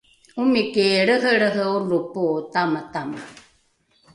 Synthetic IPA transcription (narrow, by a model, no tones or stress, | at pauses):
umikeːɺəɦəɾəɦəolupot̪amat̪ama